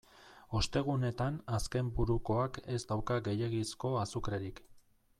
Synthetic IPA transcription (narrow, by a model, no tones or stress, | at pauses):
o̞st̪e̞ɣ̞une̞t̪anaske̞mbuɾuko̞ake̞zd̪awkaɡe̞je̞ɣisko̞asukɾeɾik